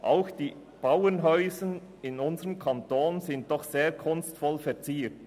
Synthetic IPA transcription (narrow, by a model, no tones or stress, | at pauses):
ʔaʊxd̥iː | b̥awənɦœʏzən | ɪnʊnzəʁəmkʰantoːnzɪnt̚d̥ɔχseːkʰʊnstfɔlfɛɐt͡siːt